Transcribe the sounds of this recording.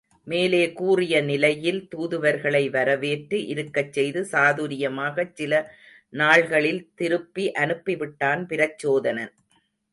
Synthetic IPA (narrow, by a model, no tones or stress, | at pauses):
meːleːkuːrɪjɐnɪlɐjɪlt̪uːðɯʋɐɾɣɐɭɐɪʋɐɾɐʋeːʈrɯʔɪɾɯkːɐt͡ʃːɛjðɯsaːðuɾɪjɐmaːɣɐt͡ʃsɪlɐ | naːɭɣɐɭɪlt̪ɪɾɯpːiʔɐnɯpːɪʋɪʈːaːnpɪɾɐt͡ʃːoːðɐnɐn